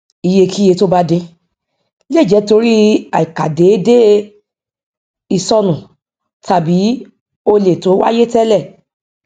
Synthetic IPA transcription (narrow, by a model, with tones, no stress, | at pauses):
i˨je˧ki˦je˧to˦ba˦dẽ˧ | le˦˨d͡ʒɛ˨˦to˧˦ɾi˦a˨i˨ka˨de˨˦de˦ | i˨sɔ˧nũ˨ | ta˨bi˨˦ | o˧le˨to˨˦wa̰˦je˦tɛ˦lɛ˦˨